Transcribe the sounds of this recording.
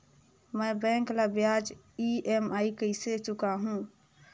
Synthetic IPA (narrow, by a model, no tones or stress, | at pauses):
məbɛ̃ːŋklabjad͡ʒ | iemaːikəɪset͡ʃʊkaɦũ